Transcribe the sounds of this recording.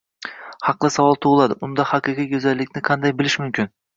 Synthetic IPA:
hɑqlˠɪsavɒlˠt̪ʰoʁlˠad̪ɪʊnd̪ahɑqɨqijjɵzalːɪkʲnɪqʰɑnd̪ajbɪlɪʃmʊmkʲʰɪn

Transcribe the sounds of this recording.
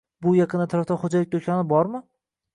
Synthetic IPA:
bʊjɑqʰɨnɪt̪ʰaɾaft̪aχod͡ʒalɪk̚t̪ʰokʲʰanɪbɒɾmɪ

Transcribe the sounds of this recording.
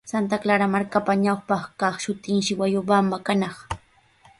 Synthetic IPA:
sant̪̬aklaɾamaɾkapaɲawpɑχkɑχʃʊt̪ɪŋʃɪwajʊbamakanɑχ

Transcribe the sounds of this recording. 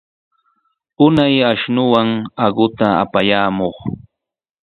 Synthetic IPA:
ʊnajaʃnʊwaŋɑɢʊt̪aa̰pajaːmoχ

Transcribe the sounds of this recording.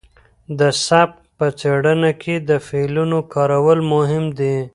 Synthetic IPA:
d̪əsap | pət͡seɽənakʰed̪əfelunokʰɑːɾawəlmʊɦɪmd̪i

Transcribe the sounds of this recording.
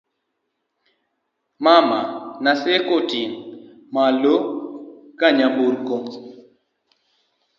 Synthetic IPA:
mamanasɛkotiŋ | malokkaɲamboɾkoŋ

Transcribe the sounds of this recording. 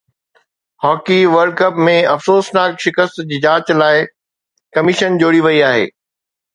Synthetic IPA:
hɔːkiʋɐɾɖ̚kɐpmẽɐfsoːsnaːkʃɪkəst̪d͡ʑɪd͡ʑaːt͡ɕlaːɪ | kɐmɪʃənd͡ʑoːɽiʋɐiaːɦḛː

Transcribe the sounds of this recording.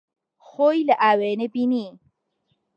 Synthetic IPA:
xoːjlaʔaːweːnebini

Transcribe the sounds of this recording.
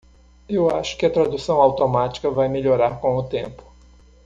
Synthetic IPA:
ewaʃʊ̥kɪɐt̪ɾad̪usɐ̃w̃awt̪omat͡ʃi̥kɐvajmeʎoɾaɾkõʊt̪ẽmpʊ̥

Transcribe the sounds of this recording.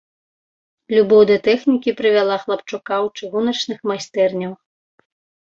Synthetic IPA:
lʲubɔwd̪ɐt̪ɛxnʲikʲipɾɨvʲalˠaxlˠɐpt͡ʂukawt͡ʂɨɣunɐt͡ʂnɨxmajsʲt̪ɛrnʲɐw

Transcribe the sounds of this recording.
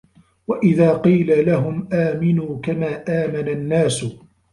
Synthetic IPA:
waʔɪðaːqiːlalaɦʊmʔaːmɪnuːkamaːʔaːmananːaːsʊ

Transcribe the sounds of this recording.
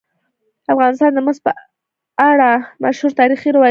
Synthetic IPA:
afɣɑnɪst̪ɑnd̪əməzpə | aɽamaʃhuɾt̪ɑɾixiɾawɑ

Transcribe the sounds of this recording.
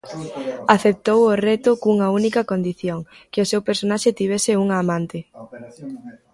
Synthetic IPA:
aθep̚t̪owʊret̪ʊkuŋɐunikɐkond̪iθjoŋ | keʊsewpeɾsonaʃɪt̪iβ̞ɛsɪuŋɐːmãnt̪ɪ

